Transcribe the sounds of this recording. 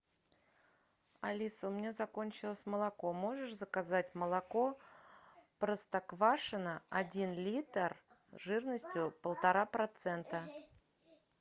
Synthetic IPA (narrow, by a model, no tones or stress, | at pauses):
ɐlʲisəʊmʲnʲezɐkonʲt͡ɕɪlˠəsʲməlˠɐko̞mo̞ʐɨʂzəkazatʲməlˠɐko̞ | pɾəst̪ɐkvaʂɨnəɐdʲinlʲit̪ər | ʐɨrnəsʲtʲjʊpəlˠt̪ɐɾapɾɐt̪sɛnt̪ə